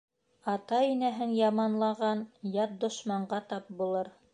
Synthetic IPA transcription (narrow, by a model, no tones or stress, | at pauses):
ɑt̪ɑinæɦɘnjɑmɑnlˠɑʁɑnjɑt̪̚d̪ŏʃmɑɴɢɑt̪ɑp̚bulˠɤɾ